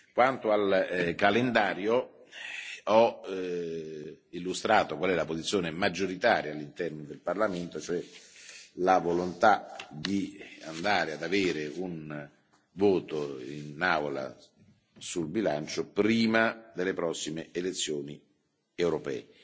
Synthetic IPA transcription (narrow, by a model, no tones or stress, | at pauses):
kwant̪oalkalend̪aːɾjo | ɔ | ilːust̪ɾaːt̪okwalɛlapozit̪sːjoːnemad͡ʒːoɾit̪aːɾjaːlːint̪ɛrnod̪elparlament̪ot͡ʃoɛ | lavolont̪ad̪ia̰nd̪aːɾead̪aveːɾeun | voːt̪oinawla̰ | sulbilant͡ʃopɾiːmad̪elːepɾɔsːimeelet̪sːjoːni | ewɾopɛ̰ːe